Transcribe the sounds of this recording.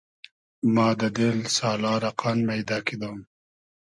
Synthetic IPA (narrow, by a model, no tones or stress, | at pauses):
mɑːd̪əd̪ɪlsɑːlɑːɾɐqʰɑnmajd̪ɑːkid̪um